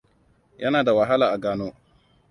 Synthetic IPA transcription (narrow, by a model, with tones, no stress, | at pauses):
jɐ˦naː˨da˨wɐ˨ɦa˦laː˨ʔa˨ɡaː˦noː˦